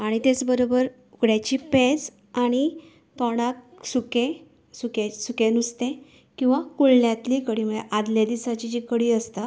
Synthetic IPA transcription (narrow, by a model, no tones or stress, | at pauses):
aɽ̃it̪et͡sbəɾobəɾ | uɡɽjat͡ɕiped͡z | aɽ̃i | t̪ɔɽ̃ak | sukẽ | sukesukẽnust̪ẽ | kĩw̃ʋakuɭnjãt̪liːkəɽiːməeʔad̪ljad̪isat͡ɕid͡ʑikəɽiːəst̪a